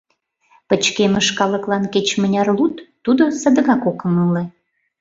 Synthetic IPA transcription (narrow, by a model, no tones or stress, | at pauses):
pət͡ɕkeməʃkɑləklɑnket͡ɕmə̆nʲɑrlut̪ːud̪osə̆d̪əɣɑkokə̆məle